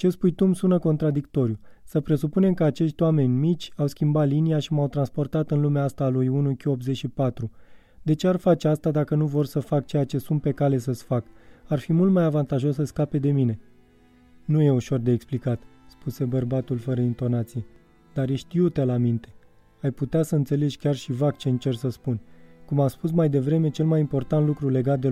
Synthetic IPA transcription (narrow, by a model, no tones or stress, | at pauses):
t͡ʃe̞spujt̪umsunəko̞nt̪ɾad̪ikt̪o̞ɾjusəpɾe̞supune̞mkəat͡ʃe̞ʃt̪ʲwame̞nʲmit͡ʃʲawskʲimbat̪liniaʃimawt̪ɾanspo̞rt̪at̪ɨnlumeast̪aːlujunukʲio̞pze̞ʃipat̪ɾu | d̪e̞t͡ʃe̞arfat͡ʃeast̪ad̪akənuvo̞rsəfak̚t͡ʃe̞jat͡ʃe̞sunt̪̚pe̞kale̞səsʲfakarfimult̪̚majavant̪aʒo̞s̬ːəskape̞d̪e̞mine̞ | nuje̞uʃo̞rd̪e̞ːksplikat̪spuse̞bərbat̪ulfəɾəint̪o̞nat̪sije̞ | d̪arjeʃt̪iut̪elamint̪e̞̥ | ajput̪easəɨnt̪se̞le̞d͡ʒkʲarʃivak̚t͡ʃe̞ɨnt͡ʃe̞rsəspunʲkumaspus̬majd̪e̞vɾe̞me̞t͡ʃe̞lmajimpo̞rt̪ant̪lukɾule̞ɡat̪̚d̪e